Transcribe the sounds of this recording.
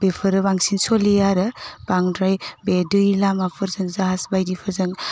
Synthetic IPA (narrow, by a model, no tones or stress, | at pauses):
b̥epʰɯɾɯbaŋsinsolejaɾɯb̥aŋdɾajbedɯlamapʰɯɾzɯŋzaɦasbajdipʰɯɾzɯŋ